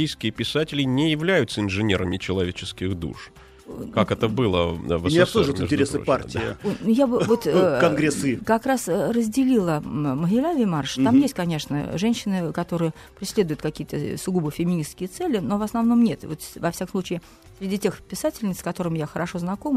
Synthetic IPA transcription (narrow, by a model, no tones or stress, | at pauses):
ijskʲɪjəpʲɪsatʲɪlʲɪnʲɪjɪvlʲæjʊt̪səɪnʐɨnʲeɾəmʲɪt͡ɕɪlˠɐvʲet͡ɕɪskʲɪɣd̪ṵʂ | kakɛt̪əbɨlˠə̰vɐat̪oʐt̪ɪtʲɪɾʲesɨpartʲɪonujabɨvo̞t̪kɐnɡɾʲesɨkɐkɾasrəzʲdʲɪlʲilˠəməɦʲɪlʲavʲɪmarʂt̪amjesʲt̚ʲkɐnʲe̞ʂnə̰ʐɛnʲɕːɪnɨkɐt̪o̞ɾɨjə | pɾʲɪsʲlʲe̞d̪ʊjʊt̪kɐkʲijət̪ə̰sʊɡubɨfʲɪmʲɪnʲiskʲɪjət̪sɛlʲɪno̞vɐsnɐvno̞mnʲe̞t̪vo̞t̪vɐfsʲakəmsˠut͡ɕɪː | sʲɾʲɪdʲitʲexpʲɪsatʲɪlʲnʲɪt̪skɐt̪o̞ɾɨmɪjaxəɾɐʂo̞znɐko̞m